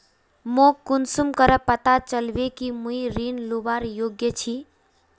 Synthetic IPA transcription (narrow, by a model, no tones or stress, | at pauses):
mokunsumkəɾəpət̪at͡ʃəlbekimuiɾinlubaɾjoɡjət͡ʃʰi